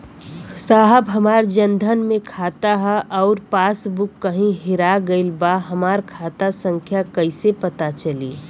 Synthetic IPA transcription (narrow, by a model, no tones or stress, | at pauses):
saːɦəbɦɐmaːɾd͡ʒə̃nd̪ʱənmẽkʰaːt̪aɦɛʔɔːɾpaːsbʊkːəɦĩɦɪɾaɡəɪlbaɦɐmaːɾkʰaːt̪asə̃ŋkʰjakəɪsepət̪at͡ʃɐli